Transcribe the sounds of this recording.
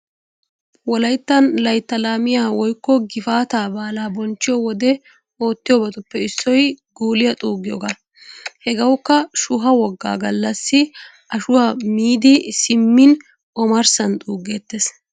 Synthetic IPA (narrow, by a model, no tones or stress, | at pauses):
wɔlɐjt̪ːɐnlɐjt̪ːɐlaːmɪjaːwɔjkːɔɡɪfaːt̪aːbaːlaːbɔnt͡ʃːɪjɔwɔd̪ɛ | o̞ːt̪ːɪjɔbɐt̪ʊpːɛɪsːɔjɡuːlɪjɐt̪ʼuːɡɪjɔ̰ɡaː | hɛɡɐwkːɐʃʊɦɐwɔɡːa̰ːɡɐlːɐsːɪ | ʔɐʃʊwamiːd̪ɪsɪmːɪn | ɔmɐɾsɐnt̪ʼuːɡeːt̪ːeːs